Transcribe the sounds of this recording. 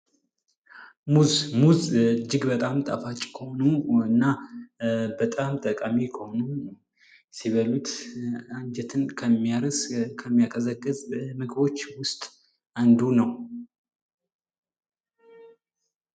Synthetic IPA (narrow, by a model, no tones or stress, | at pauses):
muzmuzd͡ʒɪɡbət̪ʼamt̪ʼa̰fat͡ʃʼkʰəho̞nuɨnːa | bət̪ʼamt̪ʼəkʼamikʰəho̞nu | siβəlut̪and͡ʒɛt̪ʰɨnkʰəmːijaɾəskʰəmːijakʼəzəkʼːɨzmɨɡbo̞t͡ʃːwʊst̪ʼ | and̪unəw